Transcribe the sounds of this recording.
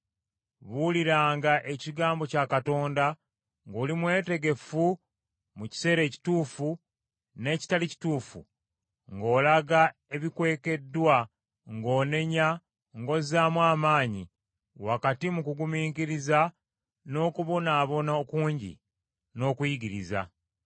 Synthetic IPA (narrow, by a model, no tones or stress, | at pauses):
βuliɾaːŋɡaʔe̞ciɡaːmbo̞cakato̞ːnda | ŋɡoːlimwe̞ːte̞ɡe̞fu | muci̥se̞ːɾe̞ːci̥tuːfu | ne̞ːci̥talici̥tuːfṵ | ŋɡo̞ːlaɡae̞βikwe̞ːke̞dːwa | ŋɡo̞ːne̞ɲa | ŋɡo̞zaːmwaːmaːɲḭ | wakatimukuɡumiːŋkiɾiza | no̞ːkuβo̞naːβo̞naokuːɲɟḭ | no̞ːkwjiɡiɾḭza̰